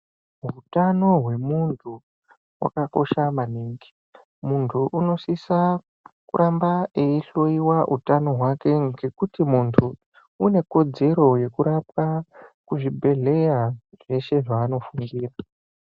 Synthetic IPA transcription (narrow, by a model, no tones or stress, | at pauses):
ɦutano̞ɦwe̞muntʰu | wa̰kako̞ʃamaniːŋɡi̥ | muntʰuʔuno̞sisa | kṵɾʔambaeiɬo̞iwaʔutano̞ɦwake̞ŋɡe̞kutimuntʰuː | ne̞ko̞d͡ze̞ɾo̞je̞kuɾap̚akuʐibʱe̞ɮe̞ja | ʐ̥e̞ʃe̞ʐaːno̞fundiːra